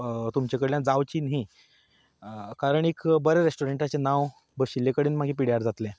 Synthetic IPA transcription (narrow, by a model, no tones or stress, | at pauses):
t̪umt͡ɕekəɽljãd͡zaʋt͡ɕiːnɦi | kaɾəɳikbəɾeɾesʈuɾeɳʈat͡ɕenaʋ | bəɡɕilːekəɽiːnm̤aɡʱiːpiɽjaɾd͡zat̪lẽ